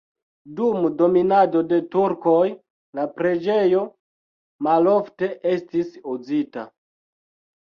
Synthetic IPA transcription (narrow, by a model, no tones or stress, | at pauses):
dumdo̞minado̞de̞tuɾko̞j | lapɾe̞d͡ʒe̞jo̞ | malo̞fte̞ʔe̞stisuzita̰